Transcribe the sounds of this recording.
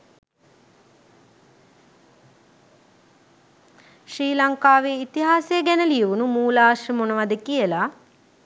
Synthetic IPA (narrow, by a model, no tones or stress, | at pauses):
ʃɾiːlaŋkaːʋeːit̪iɦaːsejəɡɛnəlijəʋunumuːlaːʃəmonəʋad̪əkijəla